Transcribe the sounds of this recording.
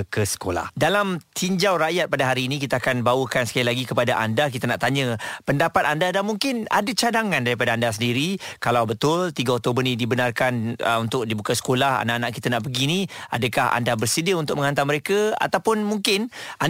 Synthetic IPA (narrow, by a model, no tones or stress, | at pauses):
kəsə̥ko̰la̰hdalamt̪ʰiɲd͡ʒawɾaʔjat̪̚padaɦaɾiːnĩkit̪aakanbawəkansə̥kailaɡikəpadaʔa̰ndak̬it̪anaʔt̪aɲəpəndapat̪andadanmuŋkɪna̰dat͡ʃadaŋandaɾipadaandas̬əndiɾikalawbət̪ʊlt̪iɡəɔk̚t̪obənĩdibənarkanə̰unt̪ʊk̚dibukasə̥kolaha̰naʔanaʔkit̪anaʔbəɡinia̰dəkaha̰ndabərsədiəunt̪ʊkʔməŋɦant̪aməɾekəa̰t̪awpʊnmuŋkɪnʔa